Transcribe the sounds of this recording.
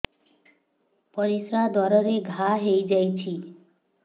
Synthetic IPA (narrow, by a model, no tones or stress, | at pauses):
pɔɾisɾad̪ɔɾɔɾeɡʱaɦejd͡ʒajt͡ʃʰi